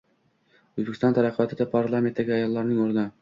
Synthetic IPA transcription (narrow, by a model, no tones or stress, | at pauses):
ɵ̆zbɪkʲɪst̪ɑnt̪ʰæɾæqʰːɨjɒt̪ʰɪd̪apʰaɾlˠamʲent̪d̪æɡʲɪɑjɒlˠːɑɾnɪŋoɾn